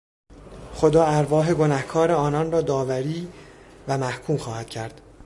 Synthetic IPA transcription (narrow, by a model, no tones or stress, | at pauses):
χo̞d̪ɒːæɾvɒːɦe̞ɡo̞næhkʰɒːɾeɒːnɒnrɒːd̪ɒːvæɾiːvæmæhkʰuːmxɒːhæd̪̥̚cʰæɾd̪̥